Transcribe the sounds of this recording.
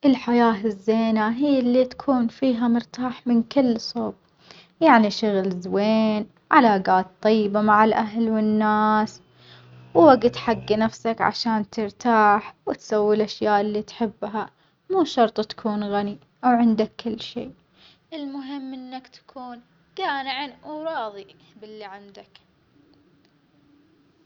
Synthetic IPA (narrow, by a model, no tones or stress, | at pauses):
ʔɪlħajaːɪzːeːnaɦiːɪlːit̪ḁkʰuːnfiːɦamʊɾt̪aːħmɪnkɪlːsˤoːb̚ | jaʕniʃʊɣlzweːn | ʕalaːɡaːt̪̚ˤːɑjːɪbamaʕɪlʔaɦlwɪnːaːs | wwaɡt̪ħaɡːinafsakʕa̰ʃaːnt̪ɪɾt̪ʰaːħwɪt̪sawːilʔaʃjaːʔɪlːit̪ħɪbːɦa | muːʃɑɾˤt̪ˤt̪ḁkʰuːnɣani | ʔawʕɪnd̪akʰːɪlːʃeː | ʔɪlmʊɦɪmːʔɪnːakt̪ḁkʰuːn | ɡ̥aːnɪʕɪnʔaɾˤɑːðˤibɪlːiʕand̪ak